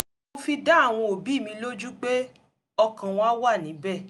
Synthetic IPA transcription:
mo˧fi˧da˨˦˨w̃ɔ̃˧o˨bi˨˦˨mĩ˧lo˦d͡ʒu˦k͡pe˦ | ɔ˧kã˨w̃ɔ̃˦a˦wa˦˨nĩ˨˦bɛ˦˨

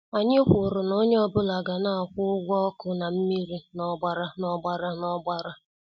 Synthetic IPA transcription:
a˨ɲɪ˦kʷʊ˨ɾʊ˨no˦ɲe˦ɔ˦bʊ˦la˨ɡa˨na˦a˨kʷʊ˦ʊ˦ɡʷɔ˦ɔ˦kʊ˦na˨m̩˦mi˦ɾi˦nɔ˦ɡ͡ba˦ɾa˦nɔ˦ɡ͡ba˦ɾa˦nɔ˦ɡ͡ba˦ɾa˦

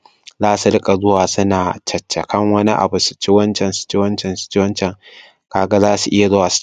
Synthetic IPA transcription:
zaː˦su˨ɽɪ˦kʼa˨zʊ˦waː˨sʊ˦naː˨t͡ʃɐ˨t͡ʃːɐ˨kɐ˦ŋwɐ˦ni˦ʔa̰˨bu˨su̥˨t͡ʃɪ˦wɐ˦nt͡ʃɛ˨nsʊ̥˨t͡ʃɪ˦wɐ˦nt͡ʃɛ˨nsʊ̥˨t͡ʃɪ˦wɐ˦nt͡ʃɛ˨ŋ | kaː˨ɡa˦zaː˦su˨ʔɪ˦ja˨zʊ˦waː˨s

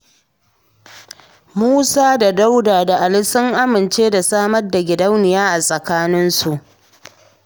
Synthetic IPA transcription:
muː˦saː˦da˨da˦wdaː˨da˨ʔa˨lɪ˦sʊ˦ŋʔa˦mɪ˨nt͡ʃeː˦da˨saː˦mɐ˦rda˨ɡʲɪ˨dɐ˦wnɪ˨jaː˦ʔa˨sʼɐ˨kaː˦nɪ˦nsu˨ʔ

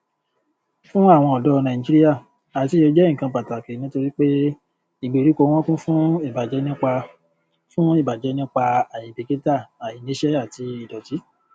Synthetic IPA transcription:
fũ˦a˦˨w̃ɔ̃˧ɔ˨dɔ˦˧nã˨ĩ˨d͡ʒi˦ɾi˦ja˦˨ | a˨ti˨˦o˧˦d͡ʒɛ̃˦˨kã˧pa˨ta˨ke˨nĩ˦to˧ɾi˦k͡pe˦ | i˨ɡ͡be˨ɾi˨˦ko˧˦w̃ɔ̃˦kũ˦fũ˦i˦˨ba˨d͡ʒɛ˨˦nĩ˦k͡pa˧ | fũ˦i˦˨ba˨d͡ʒɛ˨˦nĩ˦k͡pa˧a˨jĩ˨be˨ɡe˦ta˦˨a˨jĩ˨˦nẽ˨˦ʃɛ˦a˦˨ti˧i˨dɔ˨ti˨˦

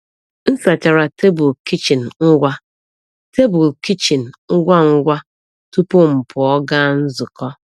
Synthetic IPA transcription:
n̩˦sa˨t͡ʃa˨ɾa˨te˦bʊ˨lki˦t͡ʃi˨n̩˨ŋ̩˦ɡʷa˦ | te˦bʊ˨lki˦t͡ʃi˨n̩˨ŋ̩˦ɡʷa˦ŋ̩˦ɡʷa˦ | tu˦pʊ˦m̩˨pʰʊ˨ɔ˦ɡa˦n̩˦zʊ˨kɔ˦

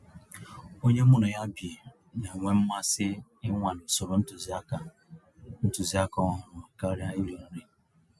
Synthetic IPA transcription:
o˦ɲe˦mʊ˦nʊ˨ja˦bje˨ | na˨ŋʷe˦m̩˦ma˦sɪ˦ɪ˦ŋʷa˨n̩˨sʊ˨ɾʊ˨n̩˦tʊ˨za˦a˨ | n̩˦tu˨zi˦a˦kɔ˦ɦʊ˨ɾʊ˨a˨ka˦ɾja˦i˦ɾi˨nɔ˨ɾi˨

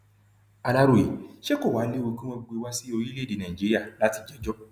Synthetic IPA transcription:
a˨la˧ɾo˨ḛ˨ʃe˦ko˦˨wa˨˦le˦wo˧kĩ˦wɔ̃˧ɡ͡be˧wa˦si˦o˧ji˦le˦˨de˨nã˨i˨d͡ʒi˦ɾi˦a˦˨la˦ti˧d͡ʒɛ˨˦d͡ʒɔ˦

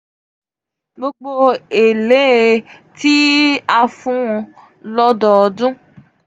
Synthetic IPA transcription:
mo˦k͡po˦e˨le˨˦e˨ti˦a˨fũ˦˨ | lɔ˦dɔ˨dũ˦

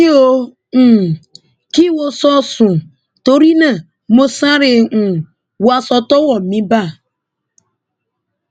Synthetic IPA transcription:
i˦o˨ | ki˦wo˦sɔ˦sũ˨ | to˦ɾi˦nã˨ | mo˨sã˦ɾɪ˨ | wa˨sɔ˨tɔ˦wɔ˨mĩ˦ba˦˨

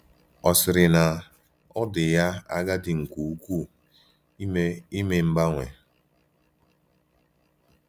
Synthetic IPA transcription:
ɔ˨sɪ˨ɾɪ˨na˨ | ɔ˦dɪ˨ja˦a˦ɡa˦dɪ˨ŋ̩˨kʷu˨u˦kʷu˦ | me˦i˦me˨m̩˦ba˦ŋʷḛ˨

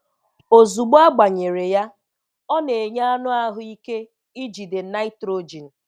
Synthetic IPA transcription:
o˨zu˨ɡ͡ba˦ɡ͡ba˨ɲe˨ɾe˨ja˦ | ɔ˦ne˨ɲa˦a˦nʊ˦a˦ɦʊ˦i˦ke˦ | i˦d͡ʒi˨de˨˦na˦i˦tɾo˦d͡ʒi˨n̩˨

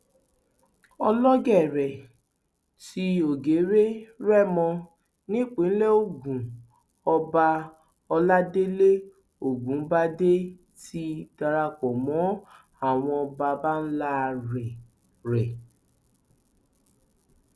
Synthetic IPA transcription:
ɔ˧lɔ˦ɡɛ˦˨ɾɛ˨ | ti˧o˨ɡe˨˦ɾe˦ɾɛ˦˨mɔ̃˧ | nĩ˦k͡pe˨˦n̩˦le˦o˦˨ɡũ˨ | ɔ˧ba˧ | ɔ˧la˦de˦le˦ | o˨ɡũ˨˦ba˦de˦ | ti˦d̥a˧ɾa˧k͡pɔ˨mɔ̃˨˦ | a˦˨w̃ɔ̃˧ɔ˧ba˧ba˦n̩˦la˦˨ɾɛ˨ | ɾɛ˨

